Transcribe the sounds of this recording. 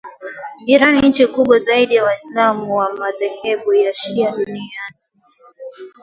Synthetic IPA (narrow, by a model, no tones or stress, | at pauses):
ʄiɾanin̩t͡ʃikuɓwazaiɗijawaislamuwamaðɛhɛɓujaʃiaɗuniani